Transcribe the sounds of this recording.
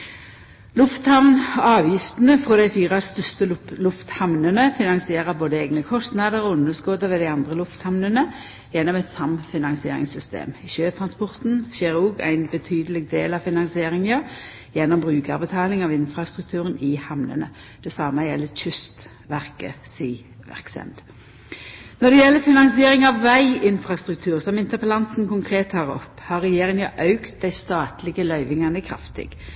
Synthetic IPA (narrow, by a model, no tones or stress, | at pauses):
lʊft̪hɑʋnɑːʋjɪft̪nəfʁɔd̪æɪfiːʁɑst̪œst̪əlʊft̪hɑmnənəfɪnɑŋsɪeːʁəboːd̪əeːɡnəkʰɔst̪nɑd̪əʁɔʊnːəskɔd̪əʋɛd̪ɪɑnd̪ʁəlʊft̪hɑmnənə | jɛnːɔmɛt̪sɑmfɪnɑŋsɪḛːɾɪ̰ŋsʏst̪ḛːmʃøːt̪ʰʁɑnspɔʁt̪n̩ʃɛʁuːɡæ̰ɪnbət̪ʰyːd̪əlɪɡ̚d̪eːlɑʋfɪnɑŋsɪeːɾɪŋəʁ | jɛnːɔmbʁʉːkɑbət̪ʰɑːlɪŋɑʋɪnfɾɑst̪ʁʉk̚t̪ʰʉːʁənɪhɑmnə̰nə̰ | d̪̥ɛsɑməjɛlːəçʏst̪ | ʋæʁkə̰siː | ʋæ̰ʁksɛ̰nd̪ | nɔd̪ɛjɛlːəfɪnɑŋsɪeːʁɪŋɑʋʋæɪɪnfʁɑst̪ʁʉk̚t̪ʰʉːʁsɔmɪnt̪əpəlɑnt̪n̩kʊŋkʰʁeːt̪ʰːɑːʁɔ̰pːhɑʁɛjeːʁɪŋɑʔɑʉkt̪̚d̪æɪst̪ɑːt̪lɪɡəlœʏʋɪŋɑnəkʰɾɑ̰ft̪ɪ̰ɡ̥